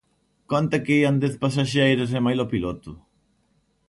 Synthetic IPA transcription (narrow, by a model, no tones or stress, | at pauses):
kont̪ɐkeiand̪eθpas̬aʃejɾos̬ɛmajlɔpilot̪ʊ